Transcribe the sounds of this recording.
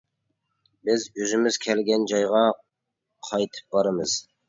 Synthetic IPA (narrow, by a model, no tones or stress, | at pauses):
bɪzøzɪmɪz̥kʲʰɛlɡʲɛnd͡ʒɑjʁɑ | qʰɑjt̪ʰɨ̥p̚bɑɾɨmɨz̥